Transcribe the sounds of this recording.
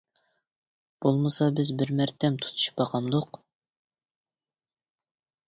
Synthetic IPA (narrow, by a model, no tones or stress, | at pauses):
b̥olˠmɨsɑbɪzbɪɾmɛɾt̪ʰɛmt̪ʰu̥t̪ʰu̥ʃu̥pɑqʰɑmd̪ʊq